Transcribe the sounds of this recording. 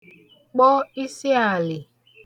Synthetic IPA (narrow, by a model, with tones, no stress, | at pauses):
k͡pɔ˦i˦si˦a˨lɪ˨